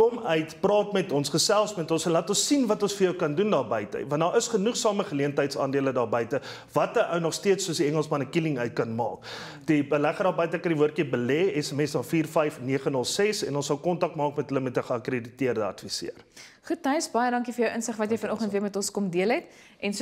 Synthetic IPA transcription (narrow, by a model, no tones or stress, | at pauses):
kɔmœɥtprɑːtmɛtɔnsχəsælˠsmɛtɔ̃nsɛnlɑːtɔnsinvɐtɔnsfərjəwkɐndundɑːrbəjtə̰jvɐndɑːɾʔəsχənuχsɑːməχəliəntəjtsɑ̰ːndiələdɑːrbəjtə | vɐtəʔəwnɔχstiətsːuəsdiɛŋəlˠsmɐnəkiliŋœɥt̚kɐnmɑ̰ːk | d̥ibəlæχədɑːbəjtəkɐndivuərkibəlɛːɛsɛmɛsdɑːnfiːrfɛjfniəχənəlˠsɛsɛ̰nɔnsɐlkɔntɐk̚mɑːkmɛtɦələmɛtəχəɐkreditiərdəɐ̰tfisḭər | χutːɐɥsbɐjədɐŋkifərjəwʔənsəχvɐtjɛjfənɔχəntviəmɛtɔnskɔmdiəlˠɦɛt | ʔɛns